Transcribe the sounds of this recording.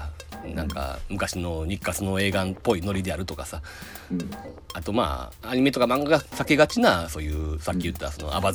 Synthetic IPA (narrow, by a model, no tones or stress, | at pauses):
nã̰ŋka̰mɯ̟kaɕino̞ɲ̟ikːat͡sɨno̞e̞ːɡanpːo̞ino̞ɾʲid̪e̞aɾɯ̟t̪okasa | at̪o̞ma̰ːaɲ̟ime̞t̪o̞kamãŋɡaɡasakeɡat͡ɕinaso̞ːjɯ̟ːsakʲːijɯ̟t̪ːeaso̞no̞̰a̰ba